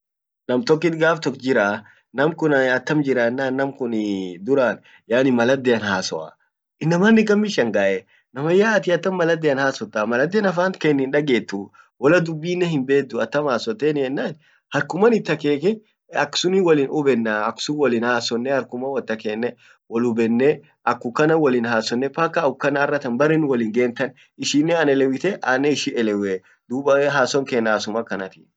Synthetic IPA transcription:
nɐmt̪ɔk̬ːɪt̪ɡaːft̪ɔkd͡ʒɪɾaː | nɐmkʊnɐt̪ːɐmd͡ʒɪɾaːnːaːnːɐmkʊnd̪ʊɾaːn | jaːnɪmɐlɐd̪ːɛɐnhaːsɔʔa̰ː | ɪnːɐmɐnːɪɡɐmːɪʃɐŋɡaːʔɛ | nɐmɐjaːɐt̪ɪɐt̪ːɐmːɐlɐd̪ːɛɐnhaːsɔt̪ːaːmɐlɐd̪ːɛnɐfaːnkenːɪnᶑɐɡe̞ːt̪ːʊ | wɔlɐd̪ʊbːiːnːɛhɪmbe̞ːd̪ʊɐt̪ːɐmhaːsɔt̪ːeːnɪjɛnːaːn | hɐɾkʊmɐnɪt̪ːɐkeːkɛ | ɐksʊniwɔlɪnʔʊbɛnːaɐksʊwɔlɪnhaːsɔnːɛhɐɾkʊmɐwɐt̪ːɐkeːnːɛ | wɔlʊbɛnːɛ | ʔɐkːʊkːɐnɐwɐlɪnhaːsɔnːɛpɐkːɐʊkːɐnɐːrːɐt̪ɐnbɐɾɛnwɔlɪŋɡeːnt̪ɐn | ɪʃɪnːɛɐnɛlɛwɪt̪ɛʔanɛɪʃɪɛlɛwɛ | d̪̥uːbɐɦaːsɔŋkeːnːaːsʊmɐkːɐnɐt̪ɪ̥

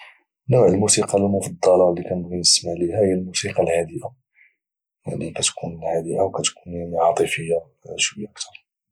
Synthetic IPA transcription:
nʊʕəlmusiqɑlmofɑd̪ˤːɑlɑwlːikænəbɣinnəsmælihæhəjːəlmusiqɑlhæd̪əʔa | jaʕnikæt̪kʰunlhæd̪əʔawkæt̪kunʕɑt̪ˤəfəjːa | ʃwjʔəkt̪ʰɑɾˤ

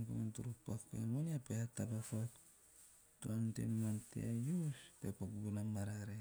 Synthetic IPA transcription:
komentuɾupakko̰amoniapehatabafat | tuantḛnmantḛajustepakubunamaɾaɾe

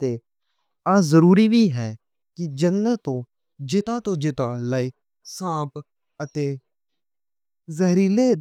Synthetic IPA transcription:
t̪eː | aːzəɾuːɾiːʋiːɦɛː | kɪd͡ʒənːət̪õː | d͡ʒɪt̪ãːt̪õːd͡ʒɪt̪ãːlaiː | sãːp | ət̪eː | zɛɦɾiːleː

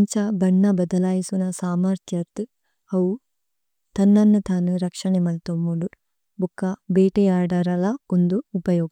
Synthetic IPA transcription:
ɲt͡ʃabɐɳːɐbɐd̪ɐlaːjisunɐsaːmɐɾt̪ʰjɐt̪ | ɐw | t̪ʰɐnːɐnːɐt̪ʰaːnɨɾɐkʂɐɳemɐlt̪omːuɖu | bukːabeːʈejaːɖaɾɐlakund̪uːpɐjoːɡ

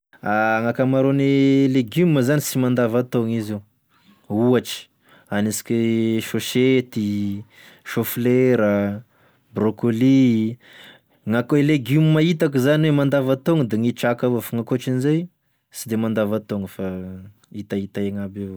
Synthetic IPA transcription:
aŋakamaɾoneleɡuməzanisimand̪avat̪oŋize | uaʈ͡ʂi̥ | anisi̥kʲiʃoʃet̪i | ʃofleɾə | brokoli | ŋakeleɡummait̪ak̬izaniwemand̪avat̪oŋəd̪eŋiʈ͡ʂakawofuŋakoʈ͡ʂinizaj | sid̪emand̪avat̪oŋəfa | it̪ait̪aeŋabe

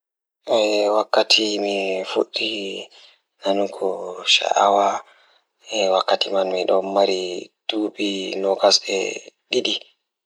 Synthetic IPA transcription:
ʔɛwakːatʰimifuɗːi | nanukʰɔʃa̰ʔawa | ɛwakːatimanmiɗɔmːaɾid̥uːɓinɔɡasɛ̰ɗiɗi

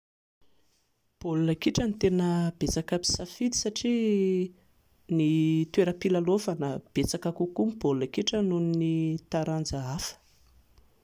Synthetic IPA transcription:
b̥olunəkiʈ͡ʂənit̪enəb̥et͡sakapi̥safid̪i̥saʈ͡ʂi | nit̪weɾəpilalovanəb̥et͡sakakukumib̥olunəkiʈ͡ʂənuninit̪aɾand͡zaafə̥

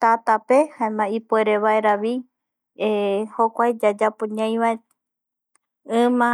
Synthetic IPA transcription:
t̪at̪apehãẽmãipoeɾeβaeɾaβi | ehokʷajd͡ʒad͡ʒapõɲãj̃ʋae | ɨ̃mã

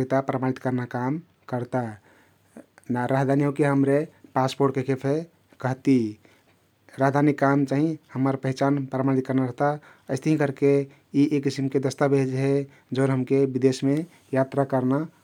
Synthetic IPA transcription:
ɾit̪apɾəmalit̪kəɾnakam | kəɾt̪a | naɾaɦd̪ʱaniɦokeɦəmɾepaspoɾʈ̚kekʰepʰe | kəɦt̪i | ɾaɦd̪ʱanikːamt͡ʃaɦĩhəməɾpəɦɪt͡ʃanpɾəmalit̪̚kəɾnaɾəɦt̪a | əɪst̪əɦĩkəɾke | iʔekːisimked̪əst̪abʱed͡ʒɦe | d͡ʒoʊnɦəmkebid̪esme | jat̪ɾakəɾna

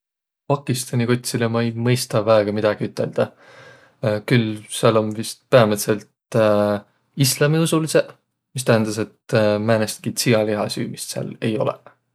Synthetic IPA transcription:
pɑkːˑist̪ɑnʲikot̪ʲsilemɑejmɤjst̪ɑvæeɡ̥ɑmid̪̥ɑɡ̥iyt̪ːˑe̞ld̪̥ɑ | kylseɑlo̞nvist̪̚peɦemət̪se̞lt̪ | islɑmiusulise̞ | mis̬t̪æɦænd̪̥ɑse̞t̪mæːnest̪̚kit̪siɡɑliɦɑsy̰ːmist̪seɑ̰le̞jo̞̰lḛ

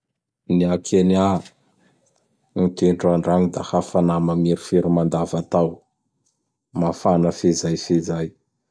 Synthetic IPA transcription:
niakʰenia | nit̪eɳɖ͡ʐuaɳɖ͡ʐaŋid̪a̰hafanamamiɾifeɾimand̪avat̪aw | mafanəfizajfizaj

